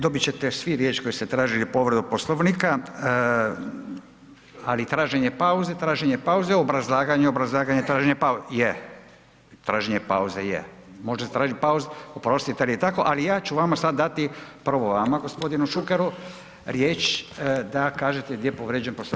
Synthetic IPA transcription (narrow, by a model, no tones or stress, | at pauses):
d̪o̞bit͡ɕet̪esʋiɾjet͡ʃko̞jist̪et̪ɾaːʒilipo̞ʋɾed̪uposlˠoʋnika | alit̪ɾaːʒeɲepauzet̪ɾaːʒeɲepauzeobɾazlˠaːɡaɲeobɾazlˠaːɡaɲet̪ɾaːʒeɲepauje | t̪ɾaːʒeɲepa̰uzejḛ | moʒest̪ɾaːʒit̪̚pauzeopɾo̞st̪it̪ealijet̪ako̞ʔalijaːt͡ʃuʋamasad̪̚dːat̪ipr̩ʋoʋamaɡo̞spo̞d̪inuʃukeɾu | ɾjeːt͡ʃd̪akaːʒet̪eɡd̪ʲjepoʋɾed͡ʑenposlo